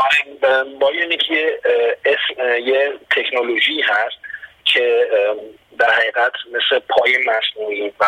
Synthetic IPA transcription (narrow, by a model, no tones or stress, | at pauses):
ɒɾebɒːjenecʰijeesjet̪ʰe̞kʰnoloʒiːɦæst̪̚cʰe̞ | d̪æɾhæɣiːɣæt̪ʰmeslepʰɒːjemæsnuːɾivæ